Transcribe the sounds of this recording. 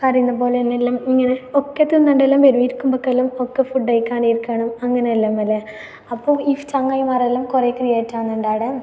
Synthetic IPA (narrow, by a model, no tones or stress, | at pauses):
kɐrijunːɐpoːleenːelːaːmiŋːɐneokːet̪ːinːɐɳɖelːaːmʋeɾuʋjiɾkːumbokːɐlːɐmokːefuɖːɐjkːaːɳijiɾkːaːɳɐmɐŋːɐneɐlːaːmɐlːe | ɐpːoːift͡ɕɐŋːajmarelːɐmkurekrijeːtːaːnːuɳɖaːɽɐ